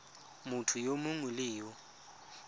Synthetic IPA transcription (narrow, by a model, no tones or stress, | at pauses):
mʊtʰujomʊŋʊlɪːwɔ